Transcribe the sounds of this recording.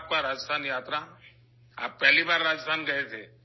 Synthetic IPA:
p̚kãɾaːd͡ʒst̪ʰanjaːt̪ɾa | a̰ːpːɛɦlibaːɾːaːd͡ʒst̪ʰaːnɡəɦet͡ʃʰeː

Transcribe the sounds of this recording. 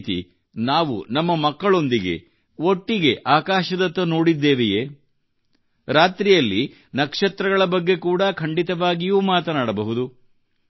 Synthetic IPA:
t̪ḭ | naːʋṵnɐmːɐmɐkːɐɭo̞nd̪iɡe̞̰ | o̞ʈːiɡe̞ʔaːkaːʃɐd̪ɐt̪ːɐno̞ːɽid̪ːeːʋejeː | ɾaːt̪ɾijɐlːi | nɐkʂɐt̪ɾɐɡɐɭɐbɐɡːe̞kuːɽɐkʰɐɳɖit̪ɐʋaːɡijuːmaːt̪ɐnaːɽɐbɐɦud̪u

